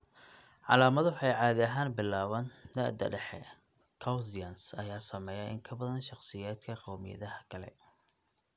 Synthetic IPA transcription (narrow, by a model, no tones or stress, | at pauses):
ʕɑ̰laːmɐðħɑjʕɑːðɪɐɦaːnbɪlːaːβɐnd̪ɐ̰ʔd̪ɐ̰ɖɛħɛ̰ | kʰɐwzɪjɐnsɐjaːsɐmɛːjɐʔɪŋkʰɐbɐðɐnʃɑχsɪjaːd̪kʰɐqɔwmɪ̰jɐ̰ðɐɦɐkʰɐlɛ̰